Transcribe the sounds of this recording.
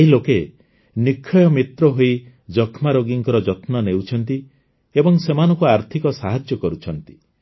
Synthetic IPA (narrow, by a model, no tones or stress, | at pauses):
eɦiloke | nikʰːɔjɔmit̪ɾɔɦoi | d͡ʒɔkʰmaɾoɡiŋkɔɾɔd͡ʒɔt̪nɔnewt͡ʃʰɔnt̪i | ebɔŋsemanɔ̃ŋkuaɾt̪ʰikɔsaɦad͡ʒjɔkɔɾut͡ʃʰɔnt̪i̥